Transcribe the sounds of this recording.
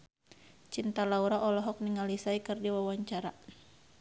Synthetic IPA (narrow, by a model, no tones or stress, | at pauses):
t͡ʃint̪alauɾaʔɔlɔɦɔk̚niŋalisaikɨrdiwawaɲt͡ʃaɾa